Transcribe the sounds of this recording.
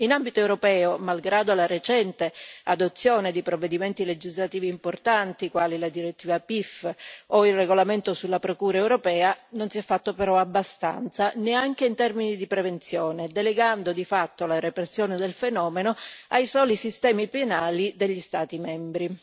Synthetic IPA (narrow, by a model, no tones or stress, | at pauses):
inambit̪oewɾopɛːomalɡɾaːd̪oalaɾet͡ʃɛnt̪ead̪ot̪sːjoːned̪ipɾovːed̪iment̪iled͡ʒizlat̪iːviːmport̪ant̪ikwaːlilad̪iɾet̪ːiːvapifoilreɡolament̪osulːapɾokuːɾaewɾopɛːanonsiɛfːat̪ːopeɾɔabːast̪a̰nt̪saneaŋk̟eint̪ɛrminid̪ipɾevent̪sjoːned̪eleɡand̪od̪ifat̪ːolarepɾesːjoːned̪elfenɔːmenoajsɔːlisist̪ɛːmipenaːlid̪eʎːist̪aːt̪imɛmbɾi